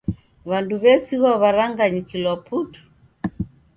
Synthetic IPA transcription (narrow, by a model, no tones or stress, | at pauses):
βanduβɛsiɣwaβaɾaŋɡaɲikilɔputu̥